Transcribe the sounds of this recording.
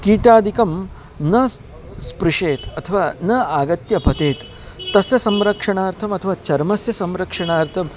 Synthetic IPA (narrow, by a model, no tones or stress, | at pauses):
kiːʈaːd̪ʱikɐm | nɐs | spɾiʂeːt̪ɐt̪ʰɐʋaːnɐaːɡɐt̪jɐpɐt̪eːt̪ː | ɐsjɐsɐmɾɐkʂɐɳaːɾt̪ʰɐmɐt̪ʰɐʋaːt͡ʃɐɾmɐsjɐsɐmɾɐkʂɐɳaːɾt̪ʰɐm